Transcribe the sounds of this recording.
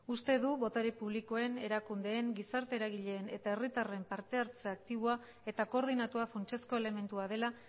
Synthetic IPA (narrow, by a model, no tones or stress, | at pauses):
ust̪e̞ðuβo̞t̪aɾipuβ̞liko̞e̞ne̞ɾakund̪e̞ːŋɡisaɾt̪e̞ːɾaɣ̞iʎe̞ːne̞t̪ae̞rit̪are̞mpaɾt̪e̞aɾt͡seakt̪iβoa | e̞t̪ako̞ːɾð̞inat̪uafont͡ʃe̞sko̞e̞le̞me̞nt̪uaðe̞la